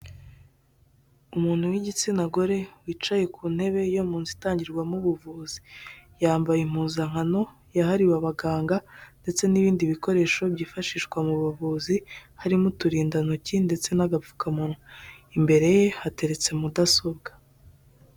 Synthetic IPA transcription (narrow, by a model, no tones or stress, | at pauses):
umuːn̥huwiɟit͡sinaɡo̞ɾe̞wiːt͡ʃaje̞kʰuːn̥he̞βe̞jomuːnzitaːɲɟiɾɡwamuβuvuːzi̥jaːmbajim̥uːzaŋ̥ano̞ | jaɦaɾiwaβaɡaːŋɡande̞t͡se̞niβiːndiβiko̞ɾe̞ːʃo̞bɟiːfaʃiʃɡwamuβuvuːzihaɾimutuɾiːndanocinde̞t͡se̞naɡafu̥kamunuimbe̞ɾe̞je̞hate̞ɾe̞t͡se̞mudasobɡḁ